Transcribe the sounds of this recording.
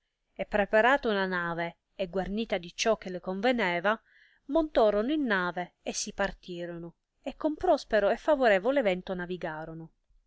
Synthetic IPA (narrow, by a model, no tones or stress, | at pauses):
epːɾepaɾaːt̪ounanaːve | eɡwarniːt̪ad̪it͡ʃɔk̟ːelekoɱvenɛːva | mont̪ɔːɾonoinːaːve | esːipart̪iːɾono | ekːompɾɔspeɾoefːavoɾɛːvoleːvɛnt̪onaviɡaːɾono